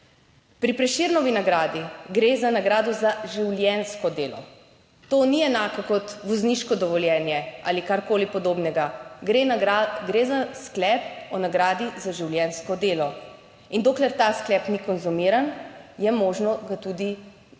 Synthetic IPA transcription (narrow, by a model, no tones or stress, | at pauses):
pɾipɾɛʃiɾnɔʋinaɡɾaːd̪iɡɾeːzanaɡɾaːd̪ɔzaʒiwljɛnskɔd̪eːlɔ̰ | t̪oːniɛnaːkɔkɔt̪ʋɔzniʃkɔd̪ɔʋɔljɛːnjɛʔa̰ːlikaɾkoːlipɔd̪oːbnɛɡaɡɾeɡɾezasklɛːp̚ɔnaɡɾaːd̪izaʒiwljɛnskɔd̪eːlɔ | ind̪oːklɛɾt̪asklɛpnikɔnzumiɾanjɛmoːʒnɔɡat̪ud̪i